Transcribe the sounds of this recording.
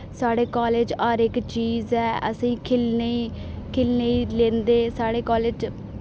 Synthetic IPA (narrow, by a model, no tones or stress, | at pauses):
saːɽeːkaːleːd͡ʒɔːɾɪkt͡ʃiːzɛːə̰sĩːkʰɪlneikʰɪlneiːlẽːnd̪eːsaːɽeːkɔːleːd͡ʒ